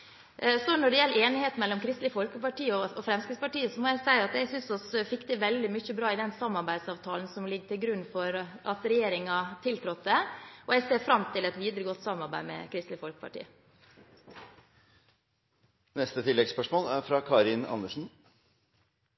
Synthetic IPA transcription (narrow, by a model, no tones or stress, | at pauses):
sɔnɔɖɛjɛlːəeːnɪheːt̪nmɛlːɔmkʰɾɪst̪lɪfɔlkəpɑʈiːəɔɔfɾɛmskɪspɑʈiːəsɔmɔjæɪsæɪɑt̪æɪsʏnsɔsfɪkːd̪əʋɛld̪ɪmʏçːəbɾɑːɪd̪ɛnsɑmːɑɾbæɪd̪sɑːʋt̪ʰɑːlən̩sɔmlɪɡːəʈ̪ɪlɡɾʉnːfɔɾʔɑt̪ɾɛjeːɾɪŋɑt̪ʰɪlt̪ʰɾɔt̪ːəɔɛseːɾfɾɑmt̪ʰɪlɛt̪ʋiːd̪ɾəɡɔt̪ːsɑmːɑɾbæ̰ɪmɛ̰kʰɾɪst̪lɪəfɔlkə̥pʰɑ̰ʈḭːə | nɛst̪ət̪ʰɪlːɛɡspœʂmoːlæɾfɾɑkʰɑːɾɪnɑ̰nːəʂn̩